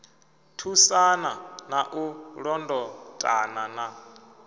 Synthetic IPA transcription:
tʰusananaʔuɺɔndɔtʼa̰nana

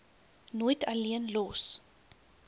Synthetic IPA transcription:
nojtʰɐliənlɔs

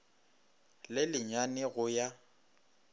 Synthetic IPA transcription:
lɪlɪɲwanɪɣʊja

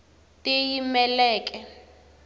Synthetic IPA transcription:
tʼɪjimɛlɛːkʼɛ

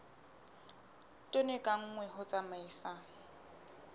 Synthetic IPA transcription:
tʼʊnekʼaŋ̩ŋwɛɦʊt͡sʼamaisa

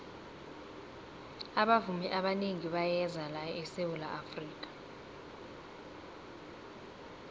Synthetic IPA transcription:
aɓavumiʔaɓaneŋiɓajɛzalajɔɛsewulaʔafriːkʼḁ

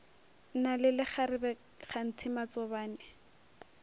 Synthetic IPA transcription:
nalɪlɪχaɾɪbɛ | χan̩tʰɪmat͡sɔbaːnɪ

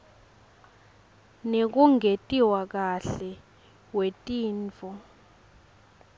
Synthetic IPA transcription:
nek̬uŋetʼiwak̬aɬɛ | wetʼiːnt͡fɔ

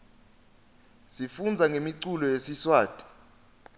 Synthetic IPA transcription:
sifund͡zʱaŋʱemiǀulɔjesiswaːtʼi̥

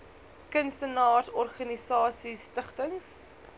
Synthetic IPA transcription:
kənstənɑːrsɔrχɐnisɑːsistəχtəŋs

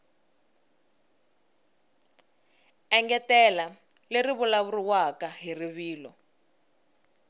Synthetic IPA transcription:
ɛŋɡɛtɛla | leriβulaβuriwakaɦiriβiːlɔ

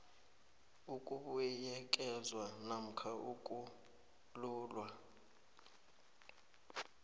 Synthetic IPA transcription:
ukʼuɓujɛkʼɛzwanam̩kʰaʔukʼu | luːlwa

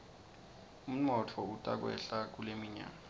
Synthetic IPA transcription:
um̩nɔt͡fʰɔutʼa̰k̬wɛ̰ɬak̬ulemiɲa̰ːŋa

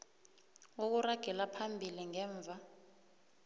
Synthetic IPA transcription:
wok̬uraɡ̥ʱɛlapʰambʱiliŋɛːɱb̪vʱa

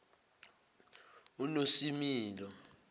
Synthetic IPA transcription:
unosimiːlɔ

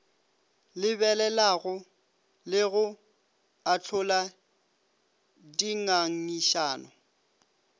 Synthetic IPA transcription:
lɪbɛlɛlaɣʊ | lɪɣʊ | at͡ɬʰʊla | diŋaŋ̩iʃaːnɔ

